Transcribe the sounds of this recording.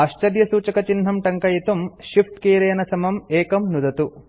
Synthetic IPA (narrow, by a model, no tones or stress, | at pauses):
ɐʃt͡ʃɐd̪jɐsuːt͡ʃɐkɐt͡ʃinɦɐmʈɐŋkɐjit̪umʃifʈkeːɾɐjɐnɐsɐmɐmeːkɐmnud̪ɐt̪u